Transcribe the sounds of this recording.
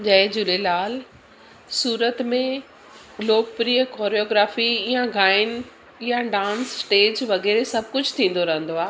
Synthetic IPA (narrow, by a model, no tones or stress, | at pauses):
d͡ʑɐɪd͡ʑʊlelaːl | suːɾət̪mẽ | loːkpɾiːəkoːɾioːɡɾaːfijãɡaːɪn | ɪjãɖãːnsʈeːd͡ʑʋɐɣɛːɾesɐb̚ʱkʊd͡ʑʱt̪ʰĩːn̆d̪oɾɐɦə̃nd̪oaː